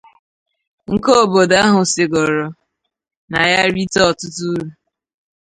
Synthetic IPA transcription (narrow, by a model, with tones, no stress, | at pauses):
ŋ̩˦ko˦o˦˨bo˨da˦ɦʊ˨sɪ˨ɡɔ˨ɾɔ˨ | na˨ja˦ɾi˦tɔ˦˨tʊ˦tu˦ɾu˨